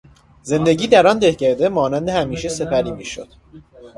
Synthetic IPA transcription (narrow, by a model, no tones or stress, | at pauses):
ze̞nd̪e̞ɟʲiːd̪æɾɒnd̪e̞hcæɾd̪emɒːnænd̪ehæmiːʃese̞pʰæɾiːmiːʃo̰d̪̥